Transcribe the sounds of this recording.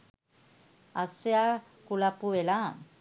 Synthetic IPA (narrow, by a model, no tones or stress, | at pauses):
asja | kulapuela